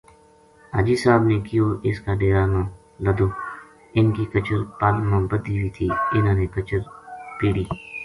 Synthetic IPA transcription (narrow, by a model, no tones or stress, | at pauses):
aːd͡ʒiːsaːbnekɪjoːʔɪskaːɖeːɾaːnãː | ləd̪oː | ɪnkikət͡ʃəɾpaːlmãbət̪̚d̪iːʋiːt̪ʰiːɪnãːneːkət͡ʃəɾpiːɽiː